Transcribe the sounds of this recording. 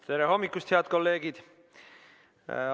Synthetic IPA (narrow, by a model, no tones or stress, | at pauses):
t̪e̞ɾeɦo̞mːikːˑust̪heɑd̪̥ko̞lːe̞ːɡ̥id̪̥